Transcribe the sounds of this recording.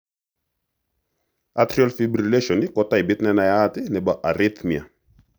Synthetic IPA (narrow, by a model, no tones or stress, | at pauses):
at̪ɾiɔlfibɾileʃɔnikɔtajbɪt̪nɛnajatɪnɛbaʔaɾɪt̪mia̰